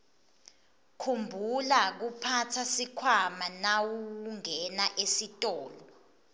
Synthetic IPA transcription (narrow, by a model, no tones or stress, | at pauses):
kʰumbʱulak̬upʰatʰasikʰwamanawukuŋɛnaʔesitʼɔːlɔ